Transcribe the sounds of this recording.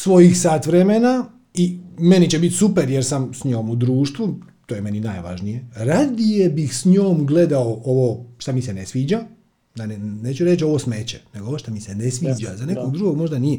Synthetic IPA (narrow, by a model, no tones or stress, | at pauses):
sʋo̞jixsaːt̪ʋɾemena | ime̞nit͡ɕebit̪supeɾjeɾsamsɲo̞ːmud̪ɾuːʃt̪ʋut̪oːjeme̞ninajʋa̰ʒnijeɾad̪ije̞bixsɲoːmɡle̞d̪aoʔoʋoʃt̪amisenesʋiːd͡ʑa | d̪anneːt͡ʃuɾe̞t͡ɕo̞ʋosmeːt͡ɕeneɡooʋoʃt̪amisenesʋiːd͡ʒazaneko̞ɡd̪ɾuɡo̞ɡmo̞ʒd̪anije